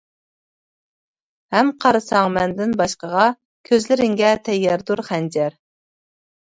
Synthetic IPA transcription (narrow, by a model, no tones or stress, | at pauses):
hɛmqʰɑɾɨsɑŋmɛnd̪ɪnbɑʃqəʁɑ | kʲʰøzlɪɾɪŋɡʲɛt̪ʰɛjːɛɾd̪uɾχɛnd͡ʒɛɾ